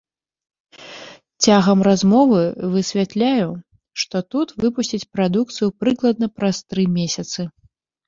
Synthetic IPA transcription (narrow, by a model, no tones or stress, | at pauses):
t͡sʲaɣɐmrazmɔvɨvɨsʲvʲat̪lʲaju | ʂt̪ɔt̪ut̪vɨpusʲt͡sʲit͡sʲpɾad̪uk̚t̪sɨjupɾɨklˠɐd̪̚nɐpɾast̪ɾɨmʲesʲɐt̪sɨ